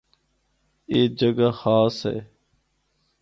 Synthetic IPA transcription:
eːd͡ʒəɡaxaːsɦḛː

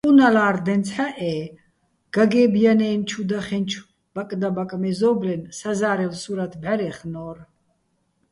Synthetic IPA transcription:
qʼunalaːɾd̪ɛnt͡sʰħaʔɛː | ɡ̥aɡɛːbjanɛːnt͡ʃʰud̪aχɛnt͡ʃʰw | b̥akʼd̪abakʼmɛzɔːblɛnsazaːɾɛlsuɾat̪ʰbʕaɾɛχnɔːr

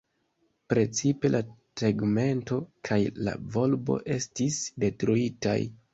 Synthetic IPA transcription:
pɾe̞t͡sipe̞lʔateɡme̞nto̞kʰajla̰vo̞lbo̞̰ʔe̞stisde̞tɾuita̰j

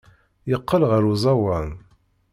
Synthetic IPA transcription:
jəqːəlʁəɾuzˤɑwɑn

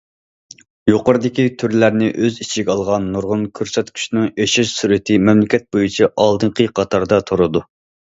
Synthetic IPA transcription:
joqəɾɨd̪ɪkʲit̪ʰyɾlæɾnɪʔøzit͡ʃʰiɪɡʲɑlˠʁɑnːuɾʁʊnkʲʰøɾsɛt̪kʲʰy̥ʃnɪŋeʃɪʃsyɾɪt̪ʰɪmɛmlɪkʲʰɛt̪̚bojut͡ʃʰiʔɑlˠd̪ɨɴqʰəqʰɑt̪ʰɑɾd̪ɑt̪ʰoɾɨd̪u

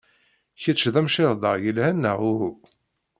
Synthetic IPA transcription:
çət͡ʃːðæmʃɪɾˤd̪ˤəʁjəlhænːəʁuhu

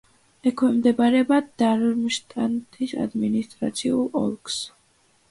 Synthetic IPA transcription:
ɛkʰwɛmd̪ɛbaɾɛbad̪d̪aɾmʃt̪ʼant̪ʰisa̰d̪minist̪ʼɾa̰t̪sʰiulˠɔ̰lˠks

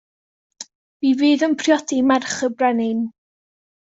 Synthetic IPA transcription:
v̥iviːðənpʰrjɔdimɛrχəbrɛnɪn

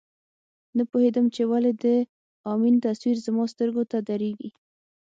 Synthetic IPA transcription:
napohed̪əmt͡ʃewaled̪ə | ɑmint̪aswiɾzəmɑst̪əɾɡot̪ad̪aɾeɡi

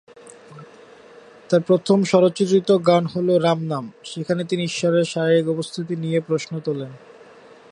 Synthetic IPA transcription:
t̪aɾpɾot̪ʰomʃɔɾot͡ɕit̪ɾit̪oɡanɦoloɾamnamʃekʰanet̪iniiʃːɔɾeɾʃaikɔpost̪ʰit̪̬inijepɾoʃnot̪olen

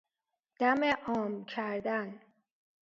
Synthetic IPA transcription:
d̪̥æmeʔɒːmkʰæɾd̪æn

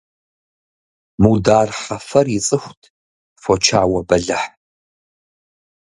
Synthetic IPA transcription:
muːdaːrħɐfɐrjɪt͡sʼɨxʷtʰ | fot͡ʃʰaːwɐbɐɮɐħ

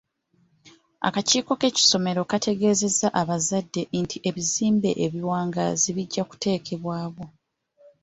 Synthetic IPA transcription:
a̰kaciːko̞ke̞ci̥so̞me̞ɾo̞katʰe̞ɡe̞ːze̞zaʔaβazadːe̞ntʰiʔe̞βiziːmbe̞̰ʔeβiwaːŋɡa̰ziβiɟːaku̥te̞ːkʰe̞βwaːβo̞

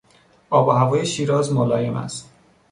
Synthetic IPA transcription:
ɒːbɒhævɒːjeʃiːɾɒːzmolɒːjemæ̰st̪

